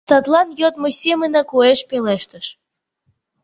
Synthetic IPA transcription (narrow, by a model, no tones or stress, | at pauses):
t̪ɑt̪lɑnjot̪̚mosʲemənɑkueʃpeleʃt̪ə̆ʃ